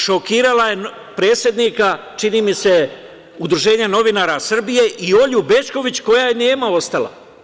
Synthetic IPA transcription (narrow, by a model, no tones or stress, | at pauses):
ʃokiːɾalaje̞n | pɾe̞ːt̪sʲje̞d̪nika | t͡ʃiniːmise̞ | ud̪ɾuʒe̞ːɲeno̞ʋinaːɾasr̩bije̞ʔio̞ʎube̞t͡ʃko̞ʋit͡ɕko̞jajene̞ːmao̞st̪ala̰